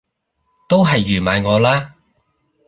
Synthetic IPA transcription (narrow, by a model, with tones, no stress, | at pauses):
t̪o˥wɦɐ˨jːyː˨˩maː˨˧jŋɔː˨˧laː˥